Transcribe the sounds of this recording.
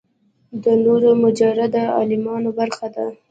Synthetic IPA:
d̪ənoɾomʊd͡ʒaɾad̪əɑ̰lɪmɑnobaɾxad̪a

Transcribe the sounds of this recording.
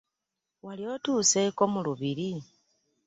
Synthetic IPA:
waljo̞tuːse̞ːko̞muluβiɾi

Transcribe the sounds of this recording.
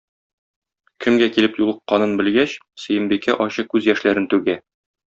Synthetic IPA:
kʰɘ̆mɡækilɘpjulˠɤ̆qːɑnɤnbɘ̆lɡæɕsɘ̆jɘ̆mbikæʔɒɕɤkʉzjæʃlæɾɘnt̪ʉɡæ

